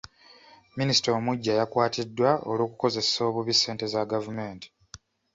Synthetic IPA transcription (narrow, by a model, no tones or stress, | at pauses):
minisi̥taomuɟːajakwaːtʰidːwaolwoːku̥ko̞ze̞so̞ːβuβisːe̞ːnte̞zaɡavume̞ːnti̥